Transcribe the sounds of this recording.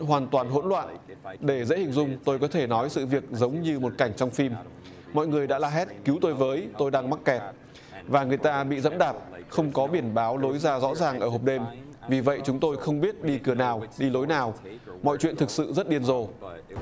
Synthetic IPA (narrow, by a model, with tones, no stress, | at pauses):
ɦwaː˨˩nt̪waː˨˩nɦo̰˧˥nlwa̰ː˧˨nɗe˧˩zḛ˧˥hï˨˩ŋ̟zʊ˧ŋ͡mt̪o˧jkɔ˨˦t̪ʰe˧˩nɔ˨˦jsɨ̰˧˨vi˨˩ək̚zə˨˦wŋ͡mɲɨ˧mo˨˩t̚ka˧˩jŋ̟t͡ɕɔ˧wŋ͡mfi˧m | mɔ̰˧˨jŋɨ˨˩əjɗa̰ː˧˥laː˨˩ɦɛ˦˥t̚ki˨˦wt̪o˧jvəː˨˦jt̪o˧jɗaː˧ŋma˦˥t̚kɛ˨˩t̚ | vaː˨˩ŋɨ˨˩əjt̪aː˧ɓḭ˧˨zə̰˧˥mɗaː˨˩p̚xə˧wŋ͡mkɔ˨˦ɓi˧˩ənɓaː˨˦wlo˨˦jzaː˧zɔ̰˧˥zaː˨˩ŋʔəː˧˩ho˨˩k͡p̚ɗe˧m | vi˨˩və̰˧˨jt͡ɕʊ˨˦ŋ͡mt̪o˧jxə˧wŋ͡mɓi˦˥ət̚ɗi˧kɨ˧˩ənaː˨˩wɗi˧lo˨˦jnaː˨˩wmɔ̰˧˨jt͡ɕwḭ˧˨nt̪ʰɨ˨˩k̚sɨ̰˧˨zə˦˥t̚ɗi˧ənzo˨˩